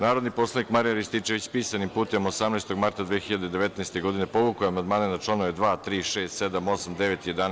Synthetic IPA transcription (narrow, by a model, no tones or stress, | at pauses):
naːɾod̪nipo̞slˠanikmaɾijaɾist̪it͡ʃeʋit͡ɕpiːsanimpuːt̪e̞mo̞samnaest̪o̞ɡmaɾt̪ad̪ʋeːxiʎad̪ed̪e̞ʋe̞t̪naest̪e̞ɡo̞d̪inepo̞ʋukoeamand̪maːnenat͡ʂlˠanoʋed̪ʋaːt̪ɾiːʃeːst̪sed̪amo̞samd̪eʋet̪ijed̪an